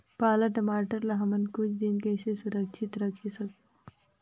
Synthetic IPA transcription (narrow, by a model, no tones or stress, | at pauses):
palaʈəmaʈəɾlaɦɐmənkut͡ʃd̪inkesesuɾəkʃʰit̪ɾəkʰisəkː